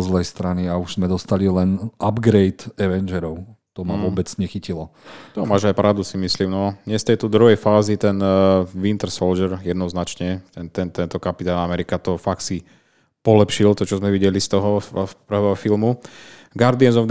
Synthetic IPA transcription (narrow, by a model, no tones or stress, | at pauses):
zlɛjst̪ɾaniauʒzmɛd̪ɔst̪alilɛnabɡɾɛjt̪ɛʋɛnd͡ʒɛɾɔʊt̪ɔmaʋʊɔbɛd͡zɲɛxicilɔt̪ɔmaːʒajpɾʔaʊd̪usimisliːmnɔɲɛst̪ɛjt̪ɔd̪ɾuɦɛjfaːzit̪ɛnʋint̪ɛɾsɔlʒɛɾjɛd̪nɔznat͡ʃɲɛt̪ɛnt̪ɛnt̪ɛnt̪ɔkapit̪aːnamɛɾikat̪ɔfak̪̚si | pɔlɛpʃilt̪ɔt͡ʃɔzmɛʋiɟɛlist̪ɔɦɔpɾ̩ʋɛɦɔfilmu | ɡaɾd̪iɛnzɔv